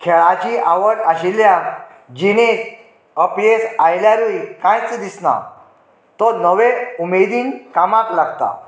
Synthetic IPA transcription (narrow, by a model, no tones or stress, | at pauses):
kʰeɭat͡ɕiʔaʋəɽaɕilja | d͡ʑine | əpjesajljaɾujkãjt͡sd̪isna̰ | t̪ɔnəʋeumed̪iːnkamãklaɡt̪a̰